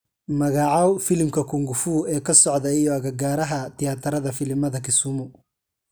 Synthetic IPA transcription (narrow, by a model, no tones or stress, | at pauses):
mɐɣaʕawfɪlmkʰɐkʰʊŋɡʊfuːɛːkʰɐsɔʕd̪ɐijɔɐɣɐɡaːɾɐɦɐt̪ʰɪjaːt̪ʰɐɾɐðɐfɪlmɐðɐkʰɪsʊmʊ